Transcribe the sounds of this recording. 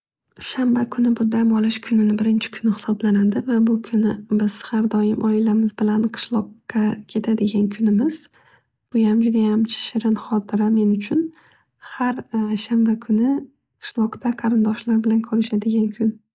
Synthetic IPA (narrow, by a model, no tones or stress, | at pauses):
ʃambakʰʊnɪbʊd̪amɒlɪʃkʰʊnɪnɪbɪɾɪnt͡ʃʰɪ̥kʰʊnɪhɪ̥sɒblanad̪ɪvabʊkʰʊnɪbɪz̥haɾd̪ɒjɪmʔɒɪlamɪzbɪlanqʰɨ̥ʃlˠɒqːɑkʲʰe̞t̪ʰad̪ɪɡʲankʰʊnɪmɪz | b̥ʊjamd͡ʒʊd̪ajamt͡ʃʰɪ̥ʃɪɾɪnχɒt̪ʰɪɾame̞nʊt͡ʃʰʊn | haɾʃambakʰʊnɪ | qʰɨ̥ʃlˠɒqt̪ʰaqʰɑɾɪnd̪ɒʃlaɾbɪlankʰɵɾɪʃad̪ɪɡʲankʰʊn